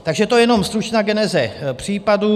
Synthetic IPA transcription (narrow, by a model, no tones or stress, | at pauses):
t̪aɡʒɛt̪ojɛno̞mst̪ɾut͡ʃnaːɡɛnɛzɛpr̝̥iːpadu